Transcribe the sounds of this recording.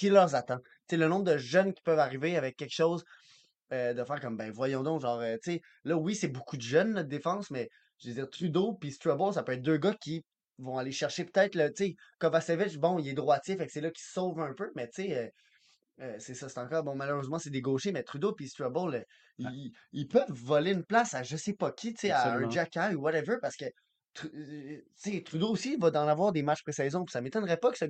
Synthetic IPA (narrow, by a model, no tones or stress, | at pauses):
kʲilœʁzat̪ɑ̃ | t͡selənɔ̃bʁd̪əʒœnkʲi̥pœvaʁiveavɛkʲːɛkʃoʊz | ød̪əfæːʁkʌmbɛ̃vwajɔ̃d̪ɔ̃kʒɑ̃ːʁøt͡se | lʌwisɛbukʰud̪əʒœnnɔt̪̚d̪efɑ̃smɛ | ʒved͡ziːʁt̪ʁyd̪opist̪ɹɔbolsapøɛːt̪̚d̪øːɡʌkʲʰi | vɔ̃aleʃɛʁʃepø̥t̪ɛɪt̪lət̪t͡sekɔmvasevɪt͡ʃbɔ̃ilɛd̪ʁwat͡sjɪfaksɛlʌkʲi̥sɔʊvœ̃pømɛt͡seø | øsesʌse̥t̪ɑ̃kɑːʁbɔ̃maløʁøzmɑ̃sed̪eɡoːʃemɛt̪χyd̪opist̪ɹɔbɔl | iilpœvːɔleynplasaʒəsepʌkʲʰit͡seaɛ̃d͡ʒakʲajuwaɾɛvə˞paʁsə̥kə | t̪χyt͡set̪χyd̪oːsivʌd̪ɑ̃navwaːʁd̪emat͡ʃpχesɛːzɔ̃pi̥samet̪ɔnʁɛpʌkə̥sə